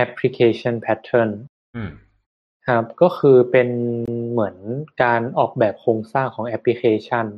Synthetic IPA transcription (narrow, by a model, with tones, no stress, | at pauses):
ʔɛ˦˥pʰli˦˧kʰeː˧t͡ɕʰa˥˩npʰɛ˦˥t̪ʰːɤ˥˩n | kʰa˦˥p̚kɔː˥˩kʰɯː˧pe˧nmɯ˩˦ənkaː˧nʔɔː˨˩k̚bɛː˨˩p̚kʰoː˧ŋsaː˥˩ŋkʰɔː˩˦ŋʔɛ˦˥pʰli˧˥kʰeː˧t͡ɕʰa˥˩n